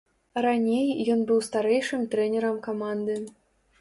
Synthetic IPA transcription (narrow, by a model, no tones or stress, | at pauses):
ranʲejːɔnbɨwst̪aɾɛjʂɨmt̪ɾɛnʲɛɾɐmkɐmand̪ɨ